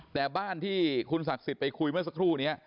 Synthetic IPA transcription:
t̪ɛː˨˩baː˥˩nt̪ʰiː˥˩kʰu˧nsa˨˩k̚si˨˩t̪̚pa˧jkʰu˧jmɯ˥˩ɐsa˧kʰɾuː˥˩ni˦˥ɐʔ

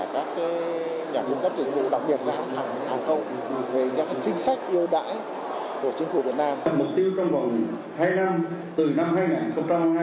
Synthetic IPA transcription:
aː˧˩kaː˦˥kːaː˨˦ | ɲaː˨˩kə˧wŋ͡mk̪ə˦˥p̚zï˧˩ŋ̟vṵ˧˨ɗa˨˩k̚ɓi˨˩ət̚zaː˧a˦˧˩a˧˩˨haː˨˩xə˧wŋ͡m | veː˨˩˧kaː˦˥k̚t͡ɕï˧ŋ̟sa˦˥jk̟̚ʔi˧əwɗa̰ː˧˥j | ku˧˩ət͡ɕi˨˦ŋ̟fu˧˩vi˨˩ət̚naː˧mmʊ˨˩k͡p̚t̪i˧əwt͡ɕɔ˧wŋ͡mva˨˩wŋ͡m | haː˧jna˧mt̪ɨ˨˩na˧mɦaː˧jŋaː˨˩nxə˧wŋ͡mt͡ɕa˧a˧

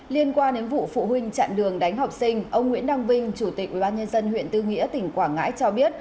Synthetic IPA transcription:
li˧ənkwaː˧nɗe˨˦nvṵ˧˨fṵ˧˨ɦwï˧ŋ̟t͡ɕa̰ː˧˨nɗɨ˨˩əŋɗa˨˦jŋ̟ɦa˨˩wk͡p̚si˧ŋ̟ʔə˧wŋ͡mŋwḭ˧˥ənɗa˧wŋ͡mvi˧ŋ̟t͡ɕu˧˩t̪i˨˩k̚ʔwi˧˩ɓaː˧nɲə˧nzə˧nhwḭ˧˨ənt̪ɨ˧ŋḭ˧˥ət̪ï˨˧˩ŋ̟kwaː˧˩ŋa̰ː˧˥jt͡ɕɔ˧ɓi˦˥ət̚

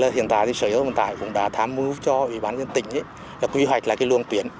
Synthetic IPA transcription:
laː˨˩hḭ˧˨ənt̪a̰ː˧˨jt̪i˧səː˧˩zə˨˦whḭ˧˨nt̪a̰ː˧˨jkʊ̰˧˥ŋ͡mɗa̰ː˧˩t̪ʰaː˨˦mɨ˨˧˦t͡ɕɔ˧ʔwi˧˩ɓaː˨˦nzə˧nt̪ï˧˨ŋ̟ʔə˨˦ | laː˨˩kwi˨˦ɦwa˨˩jk̟̚laː˨˩kaː˨˦lɨ˧əŋt̪wi˨˩ən

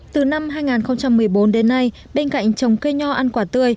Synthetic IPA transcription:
t̪ɨ˨˩na˧mɦaː˧jŋaː˨˩nxə˧wŋ͡mt͡ɕa˧mːɨ˨˩əjɓo˨˦nɗe˨˦nːa˧j | ɓe˧nka̰˧˨jŋ̟t͡ɕə˨˩wŋ͡mke˧ɲɔ˧ʔa˧nkwaː˧˩t̪ɨ˧˩əj

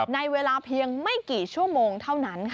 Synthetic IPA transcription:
na˧jweː˧laː˧pʰi˧əŋma˥˩jkiː˨˩t͡ɕʰu˥˩əmoː˧ŋt̪ʰa˥˩wna˦˥nkʰ

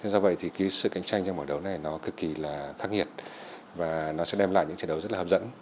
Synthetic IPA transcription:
t̪ʰe˧˦zɔ˧və̰˧˨jt̪ʰi˨˩ki˨˦jsɨ̰˧˨ka˨˦jŋ̟t͡ɕa˧jŋ̟t͡ɕɔ˧wŋ͡mʔəː˧˩ɗə˨˦wna˨˩jnɔ˨˦kɨ˨˩kːi˨˩laː˨˩xaː˦˥k̚hi˨˩ət̚ | vaː˨˩nɔ˨˦sɛ̰˧˥ɗɛ˧mla̰ː˧˨jɲɨ̰˧˥ŋt͡ɕə̰ː˧˩nɗə˨˦wzə˦˥t̚lːp̚zə̰˧˥n

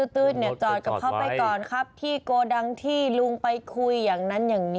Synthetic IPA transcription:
ɯː˧˩t̪ɯː˦˥t̪̚ni˥˩ɐt͡ɕɔː˨˩t̪̚ka˨˩kʰa˦˥˩wpa˧jkɔː˨˩nkʰa˦˥p̚t̪ʰiː˥˩koː˧da˧ŋt̪ʰiː˥˩lu˧ŋpa˧jkʰu˧jːaː˨˩ŋna˦˧˥njaː˨˩ŋni˦

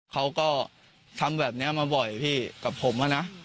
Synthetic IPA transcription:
kʰa˦˥wkɔː˥˩ | t̪ʰa˧mbɛː˨˩p̚ni˦˥ɐmaː˧bɔ˨˩jpʰiː˥˩ka˨˩pʰːo˩˦mʔa˧na˦˥ʔ

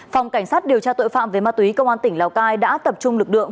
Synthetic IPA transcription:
fa˨˩wŋ͡mka˧˩jŋ̟saː˦˥t̚ɗi˨˩əwt͡ɕaː˧t̪o̰˧˨jfa̰ː˧˨mve˨˦maː˧t̪wi˨˦kə˧wʔaː˧nt̪ï˧˩ŋ̟la˨˧˩wkaː˧jɗa̰ː˧˥t̪ə˨˩p̚t͡ɕʊ˧ŋ͡mlɨ˨˩k̚lɨ̰˧˨əŋ

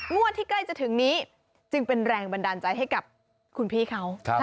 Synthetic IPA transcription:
ŋu˥˩ət̪ʰːiː˥˩kla˥˩jt͡ɕa˨˩t̪ʰɯ˩˦ŋniː˦˥ | t͡ɕɯ˧ŋpe˧nɾɛː˧ŋba˧ndaː˧nt͡ɕa˧jɦa˥˩jka˨˩p̚ | kʰu˧npʰiː˥˩kʰa˦˥wʰ

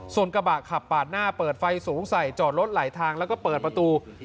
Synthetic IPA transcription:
su˨˩ənka˧baː˨˩kʰa˨˩pːaː˨˩t̪̚naː˥˩pɤː˨˩t̪̚fa˧jsuː˩˦ŋsa˨˩jt͡ɕɔː˨˩t̪̚lo˦˥t̪̚laː˩˦jt̪ʰaː˧ŋlɛː˦˥wkɔː˥˩pɤː˨˩t̪̚pɾa˧t̪uː˧

